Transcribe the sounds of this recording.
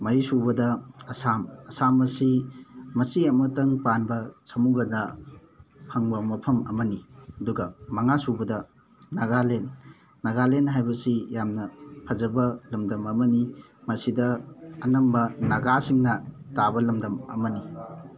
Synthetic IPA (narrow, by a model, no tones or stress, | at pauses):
mɐɾisubɐdɐɐsamɐsamɐsimɐsiɐmɐtɐŋpanbɐsʰɐmuɡɐnɐ | pʰɐŋbɐmɐpʰɐmɐ̰mɐniɐduɡɐmɐŋasubɐdɐː | aɡalenː | ɐɡalenɦajbɐsijamnɐpʰɐzɐbɐlɐmdɐmɐmɐnimɐsidɐːnɐmbɐnɐɡasiŋnɐtabɐlɐmdɐmɐ̰mɐni